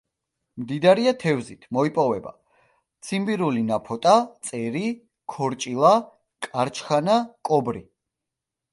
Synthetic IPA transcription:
md̪id̪aɾiat̪ʰɛvzit̪ʰmɔipʼɔvɛba̰ | t̪sʰimbiɾulinapʰɔt̪ʼat̪sʼɛɾi | kʰɔɾt͡ʃʼilˠa | kʼaɾt͡ʃʰχanakʼɔbɾi

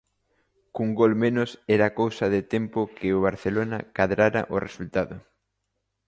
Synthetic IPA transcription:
kuŋɡolmenʊsɛɾakowsɐðɪt̪ɛmpʊkʰɪʊβ̞aɾθelonɐkaðɾaɾɐ̰ʔoresult̪aðʊ

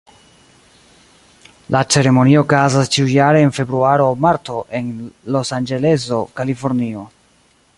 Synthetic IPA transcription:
lʔat͡se̞ɾe̞mo̞niokazast͡ʃiujaɾe̞ːnfe̞bɾuaɾomaɾto̞ʔe̞nlo̞sand͡ʒe̞le̞zo̞kalifo̞ɾnio̞

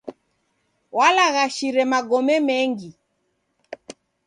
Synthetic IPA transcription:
walaɣaʃiɾɛmaɡɔmɛmɛŋɡi

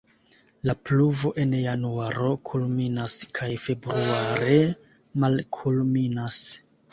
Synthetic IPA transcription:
lapluvo̞ʔe̞njanuaɾo̞kʰulminaskʰajfe̞bɾuaɾe̞ | malkʰulminas

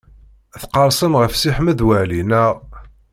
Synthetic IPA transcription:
θqɑɾˤsˤənʁəfsiħməðwælinæʁ

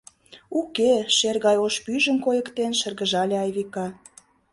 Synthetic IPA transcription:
ukeʃerɣɑjoʃpyʒə̆mkojə̆kt̪enʃə̆rɣə̆ʒɑlʲeɑjβikɑ

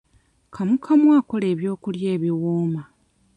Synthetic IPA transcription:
kʰamukʰamwaːko̞le̞ːβjo̞ːkulje̞ːβiwoːma

